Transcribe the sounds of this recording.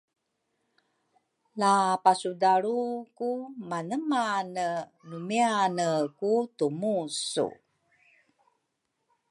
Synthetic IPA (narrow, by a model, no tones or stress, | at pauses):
lapasudaɾukumanəmanənumianəkutumusṵ